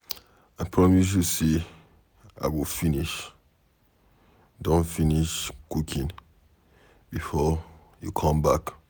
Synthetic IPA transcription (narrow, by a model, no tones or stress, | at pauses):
aɪpʰɹɔmis̬use | a̰wilfiniʃ | dõnfiniʃkukʰĩn | bifɔ | jukʰɔ̃mbak